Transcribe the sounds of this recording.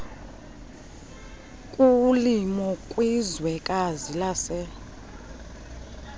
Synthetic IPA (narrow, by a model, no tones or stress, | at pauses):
kʼulimɔkʼwizwɛkʼazilasɛ